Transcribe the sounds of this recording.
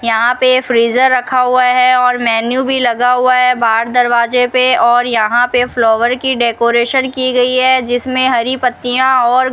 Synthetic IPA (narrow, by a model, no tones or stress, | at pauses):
jɐɦãpefɾiːzəɾːɐkʰaɦʊaɦɛɔːɾmɛːnjubʱilɐɡaɦuaɦɛbʱaːɾd̪ɐɾʋaːzepeɔːɾjɐɦãpeflɔːʋəɾkiɖeːkoːɾeːʃənkiɡɐiɦɛd͡ʒɪsmẽɦɐɾipət̪ːijãɔːɾ